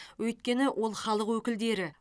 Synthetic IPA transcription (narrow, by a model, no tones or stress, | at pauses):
wɵjt̪kʲe̞nɪwʔo̞lˠχɑlˠəqwɵkʲɪld̪e̞ɾɪ